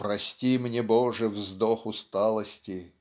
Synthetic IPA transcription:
pɾɐsʲtʲimnʲeboʐɨvzd̪oxʊst̪alˠəsʲtʲɪ

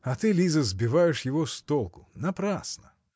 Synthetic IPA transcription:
ɐt̪ɨlʲizɐzbʲɪvajɪʂjɪvɔst̪ɔlˠkʊ̥nɐpɾasnɐ

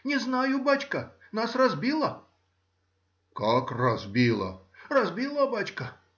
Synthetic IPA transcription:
nʲɪznajʊbat͡ɕkə | nasrɐzbʲilˠə | kakrɐzbʲilˠə̰ | rɐzbʲilˠəbat͡ɕkə

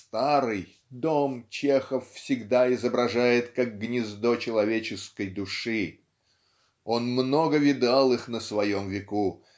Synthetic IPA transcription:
st̪aɾɨj | d̪omt͡ɕexəfːsʲɪɡd̪aɪzəbɾɐʐajɪt̪kak̚ɡnʲɪzd̪ot͡ɕɪlˠɐvʲet͡ɕɪskəjd̪ʊʂɨ | o̞nmno̞ɡəvʲɪd̪alˠɨxnəsvɐjomvʲɪku

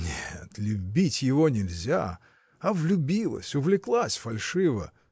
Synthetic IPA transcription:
nʲet̪lʲʊbʲitʲjɪvonʲɪlʲzʲa̰ | ɐvlʲʊbʲilˠə̰sʲʊvlʲɪklˠasʲfɐlʲʂɨvə̰

